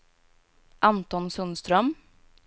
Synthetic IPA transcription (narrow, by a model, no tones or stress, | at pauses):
ʔɑnt̪ɔnsʉnst̪ɾœm